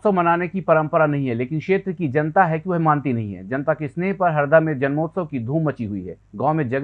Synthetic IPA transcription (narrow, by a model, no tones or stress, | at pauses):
səmɐnaːnekipɐɾə̃mpəɾanɐɦĩɦɛleːkɪnkʃeːt̪ɾəkid͡ʒɐnt̪aɦɛkjʋɐɦmãːnt̪inɐ̰ɦĩɦɛ̰ːd͡ʒɐnt̪akɪsnepɐɾɦɐɾd̪amẽd͡ʒɐnmoːt̪səkid̪ʱuːmːɐt͡ʃiɦʊḭɦɛ̰ːɡãːmẽd͡ʒɐɡ